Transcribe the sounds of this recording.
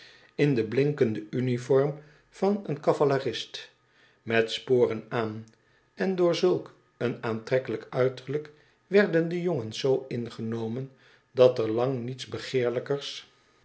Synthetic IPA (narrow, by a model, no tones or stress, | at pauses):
ɪndəblɪŋkəndəynifɔɹm | v̥ɑnənkɑvalarɪst | mɛtspoːrənaːn | ʔɛndʊːɹzɵlˠk | ənaːntrɛkələkœɥtəɹlək | ʋɛɹdəndəjoŋənz̥owɪnχənowmən | dɑtəɹlɑŋnitzbəχɪːɹləkəɹs